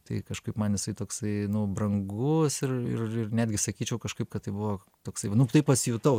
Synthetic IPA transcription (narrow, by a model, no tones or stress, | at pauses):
t̪ɐɪkɐʃkɐɪpmɐnɪsɐɪt̪oːksɐɪnʊbrɐŋɡʊsɪrɪ̰rɪrnʲæːd̪ʲɡʲɪsɐkʲiːt͡ʃʲɛʊkɐʃkɐɪp̚kɐt̪tːɐɪbʊʋoː | t̪oːksɐɪnʊt̪ɐɪpɐsʲɪjut̪ɐʊ